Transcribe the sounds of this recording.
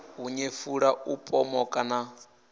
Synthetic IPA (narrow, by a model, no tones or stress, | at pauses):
ɦuɲefuɺaupʼɔmɔkʼana